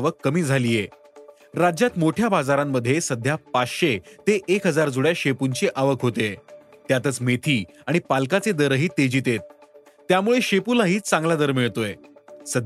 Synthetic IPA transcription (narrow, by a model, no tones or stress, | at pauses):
ʋəkːəmiːd͡zʱaliːje | ɾad͡ʑjat̪moʈʰjabad͡zaɾamːəd̪ʱːjesəd̪ʱjapat͡sɕet̪eʔekɦəd͡zaɾd͡zuɽjaɕepuɲt͡ɕeʔaʋəkɦot̪e | t̪jat̪ət͡smet̪ʰiː | aɽ̃ipalkat͡sed̪əɾəɦiːt̪ed͡ʑiːt̪et̪̚ː | jamuɭeɕepulaɦiːt͡sãŋɡlad̪əɾmiɭt̪oesəd̪ʱ